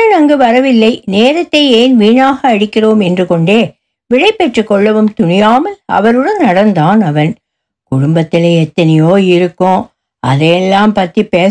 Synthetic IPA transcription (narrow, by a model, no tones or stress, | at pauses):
ɐnɐŋɡɯʋɐɾɐʋɪlːɐɪneːɾɐt̪ːɐɪeːnʋiːɳaːɣɐːɽɪkːɪroːmɛndrɯkɔɳɖeː | ʋɪɻɐɪpːɛʈrɯkːɔɭːɐʋɯmt̪ʊɳɪjaːmɐlɐ̰ʋɐɾɯɽɐnnɐɽɐnd̪aːnɐʋɐn | kʊɽʊmbɐt̪ːɪleːɛt̪ːɐnɪjoːɪɾɯkːʊ̃ | ɐ̰ðɐjɛlːaːmpɐt̪ːipːeː